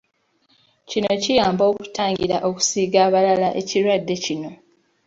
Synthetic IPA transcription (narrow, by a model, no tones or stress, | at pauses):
cino̞cijaːmbo̞ːku̥taːɲɟiɾaʔo̞ku̥siːɡaːβalalaʔe̞ciɾwadːe̞cino̞